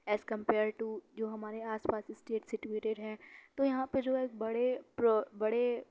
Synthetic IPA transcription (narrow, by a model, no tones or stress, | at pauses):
ɛːzkɐ̃mpɛːɾɖʈud͡ʒoːɦɐmaːɾeaːspaːsɪsʈeːʈsɪt͡ʃueːʈeɖɦɛ̃ːt̪ojɐɦãped͡ʒoːeːk̚bɐɽepɾbɐɽe